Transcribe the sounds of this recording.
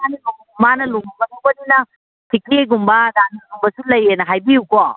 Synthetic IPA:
animuŋumanɐluŋubɐtʰobɐninɐ | tʰikɾieɡumbɐdanɐluŋbɐsulɐjenɐɦajbiukɔ

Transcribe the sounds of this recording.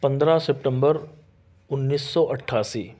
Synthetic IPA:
pɐ̃nd̪ɾasep̚ʈə̃mbəɾ | ʊnːiːsːɔʔɐʈʰːaːsiː

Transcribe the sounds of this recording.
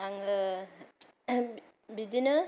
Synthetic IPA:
aŋə | bid̪inɯ

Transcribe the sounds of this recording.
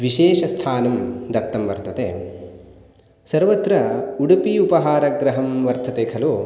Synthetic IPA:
ʋiʃeːʃɐst̪ʰaːnɐmd̪ɐt̪ːɐmʋɐɾt̪ʰɐt̪ḛː | sɐɾʋɐt̪ɾɐuɽupiupɐɦaːɾɐɡɾɐɦɐmʋɐɾt̪ʰɐt̪eːkʰɐloː

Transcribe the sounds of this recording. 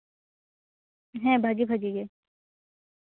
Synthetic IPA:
ɦɛ̃bʱaːɡibʱaːɡiɡe

